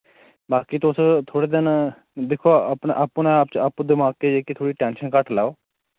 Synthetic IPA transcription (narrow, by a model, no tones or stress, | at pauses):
baːkit̪ʊst̪ʰoːɽeːd̪ɪn | d̪ɪkʰoːəpɳeʔapːnẽaːpt͡ʃəpːd̪ɪmaːɡ̚keːd͡ʒeːkit̪ʰoːɽiːʈɛːnʃənkəʈlaːoː